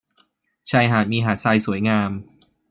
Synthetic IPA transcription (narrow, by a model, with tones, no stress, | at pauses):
t͡ɕʰa˧˩jɦaː˨˩t̪̚miː˧ɦaː˨˩t̪̚saː˧jsu˨˩˦əjŋaː˧m